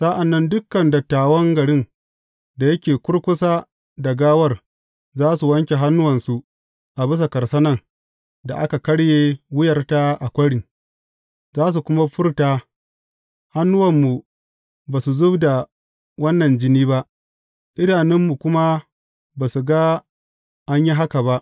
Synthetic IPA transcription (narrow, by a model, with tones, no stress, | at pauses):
sa˦ʔa˨nːɐ˦ndʊ˦kːɐ˨ndɐ˨tːaː˨wɔ˦ŋɡɐ˨ɽɪ˦n | da˨jɐ˦kʲeː˨kʷʊ˦ɽkʷʊ˦saː˦ | dɐ˨ɡaː˦wɐ˦r | zaː˦su˨wɐ˦ŋkʲe˨ɦa˦nːʊ˦wɐ˨nsu˨ | ʔa˨bɪ˦sa˨kɐ˨ɾsɐ˦nɐ˦ŋ | da̰˨ʔa˦ka˨kɐ˦ɽjeː˦wɪ˦jɐ˨rta˦ʔa˨kʷɐ˦ɽɪ˨ŋ | zaː˦s̬u˨kʷʊ˦ma˦ɸʊ˦rtaː˦ | ha˦nːʊ˦wɐ˨mːu˨ | baː˨su˨zʊ˦bda˨ | wɐ˦nːɐ˨nd͡ʒɪ˦niː˦ba˦ʔ | ʔɪ˦naː˨nɪ˦mːu˨kʷʊ˦ma˦ | baː˨su˨ɡa˦ | ʔa˦ɲji˦ɦa˦ka˨ba˦ʔ